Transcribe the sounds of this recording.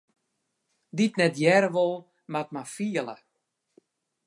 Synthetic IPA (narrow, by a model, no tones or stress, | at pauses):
ditnɛtjɛɾəʋolˠ | matmafiəlˠə̰